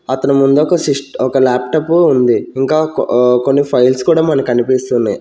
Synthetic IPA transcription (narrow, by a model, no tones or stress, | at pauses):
ɐt̪ɐnumund̪uɔkɐsisʈɔkɐlaːp̚ʈɐːpuund̪iːŋkaːko̞nːipʰɐjlskuːɽaːmɐnɐkɐnipist̪und̪ḭ